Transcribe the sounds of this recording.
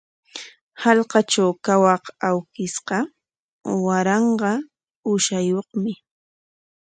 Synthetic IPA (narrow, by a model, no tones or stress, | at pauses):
hɑlqɑt͡ʃawkawɑqawkɪsɢɑ | waɾɑɴɢɑ | ʊʃajoχmɪ